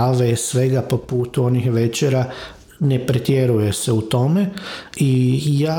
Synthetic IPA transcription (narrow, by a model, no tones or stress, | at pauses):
ʋesʋe̞ɡapo̞puːt̪uo̞nixʋet͡ɕeɾa | nepɾet̪jeɾujese̞ut̪o̞meijaː